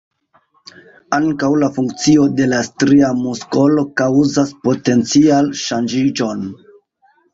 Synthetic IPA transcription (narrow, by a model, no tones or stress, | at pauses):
aŋkawlafuŋkt͡sio̞de̞lastɾiamusko̞lo̞kawzaspo̞te̞nt͡sialʃand͡ʒid͡ʒo̞n